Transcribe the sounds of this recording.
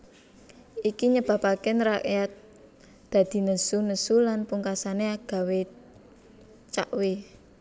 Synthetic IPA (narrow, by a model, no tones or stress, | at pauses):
ikiɲəb̥a̤pakɪnɾakejat̪̚ | d̪̥ä̤d̪̥i̤nəsunəsulanpuŋkasaneaɡ̥a̤we | t͡ʃa̰ʔwe